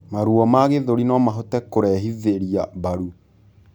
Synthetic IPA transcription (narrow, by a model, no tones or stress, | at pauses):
maɾuɔmaɣeðoɾinɔmaɦɔtɛkoɾɛɦiðeɾiaβaɾu